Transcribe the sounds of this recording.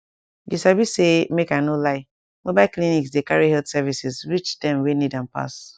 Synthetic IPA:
disabisemekanolaɪ | mobaɪlkliniksdekaɹihɛldsɛvisizɹit͡ʃdɛ̃mwenidãnpa̰s

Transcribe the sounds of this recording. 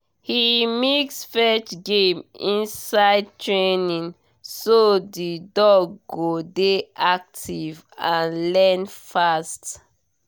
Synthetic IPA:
himiksfɛt͡ʃɡẽmĩnsaɪd̚tʰɹenĩŋ | sodidɔɡːodeʔak̚tʰiv | ãnlɛnfast

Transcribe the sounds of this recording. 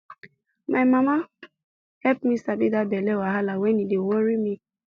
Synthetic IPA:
maɪmama | hɛpmisabidabelewaɦalawɛnidewoɾimi

